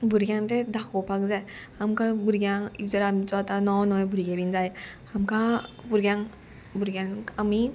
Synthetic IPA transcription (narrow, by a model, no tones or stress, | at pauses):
buɾɡʲjaŋt̪ed̪akʰɔpʰakzaj | amkʰabuɾɡʲjaŋizaɾamit͡sɔat̪anɔwnɔjbuɾiɡebinzaj | amkʰabuɾɡjaŋ | buɾɡʲjaŋkami